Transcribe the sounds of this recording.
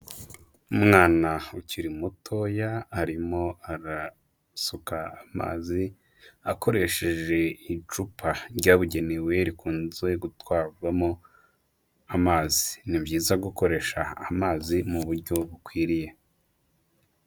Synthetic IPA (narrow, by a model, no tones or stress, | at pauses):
umŋaːnauciɾimutʰo̞jaaɾimo̞aɾa | sukaːma̰ːzi | ako̞ɾe̞ʃe̞ʒe̞it͡ʃupʰaɾɟaːβuɟe̞newe̞ɾikʰuːnzwe̞ɡutwaːbɡamo̞ | amaːzinibɟiːzaɡuko̞ɾe̞ːʃaːmaːzimuβuɾɟo̞βukwiːɾije̞